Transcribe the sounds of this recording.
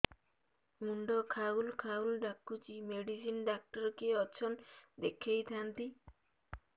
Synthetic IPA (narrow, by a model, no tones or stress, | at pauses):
muɳɖɔkʰaulkʰaulɖakːut͡ʃimeɖisinɖak̚ʈɔɾɔkeɔt͡ʃʰɔnd̪ekʰːejt̪ʰant̪i